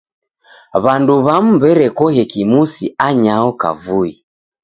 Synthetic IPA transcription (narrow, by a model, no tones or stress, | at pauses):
βanduβam̩bɛɾɛkɔhɛkimusiaɲaɔka̰vui